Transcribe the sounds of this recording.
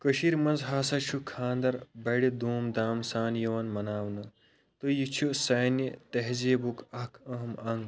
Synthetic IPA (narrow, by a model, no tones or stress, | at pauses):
kɐʃiɾmɐnzɦaːsɐt͡ʃʰukʰãːnd̪ɐɾbɐːɽid̪uːmd̪aːmsaːnjɐʋɐnmɐnaːwnɐ | t̪ɨjit͡ʃʰusɐːjnit̪ɐɦzeːbukʰɐkʰɐɦmɐŋɡ